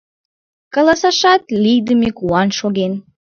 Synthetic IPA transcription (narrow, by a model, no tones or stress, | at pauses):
kɑlˠɑsɑʃɑt̪lʲijd̪əmikuɑnʃoɡen